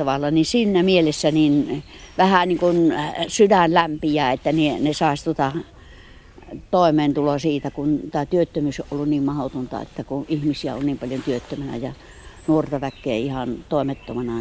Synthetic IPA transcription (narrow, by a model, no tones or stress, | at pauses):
ɑʋɑlːɑninsinːæmielesːænin | ʋæhæniːŋkunsydænlæmpijæːet̪ːænenesɑˑest̪ŭŏt̪ɑ | t̪oˑemeːnt̪ulosiːt̪ækunt̪æːt̪yøt̪ːømyːsoʔolːunniːmmɑhot̪ont̪ɑ̰ḛt̪ːækuʔihmisiæ̰o̰nniːmpɑljont̪yøt̪ːømænæ̰jɑ | nuort̪ɑʋækːˑeæ̰ihɑnt̪oˑemet̪ːomɑnɑ